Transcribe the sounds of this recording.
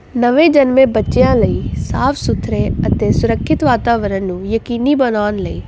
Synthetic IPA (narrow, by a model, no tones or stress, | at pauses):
nəʋẽːd͡ʒənmẽːbətːʃejãːləiːsaːpʰsʊt̪ʰɾẽːət̪eːsʊɾəkʰːɪt̪ʋaːt̪aːʋəɾənnũːjəkiːniːbənaːnləiː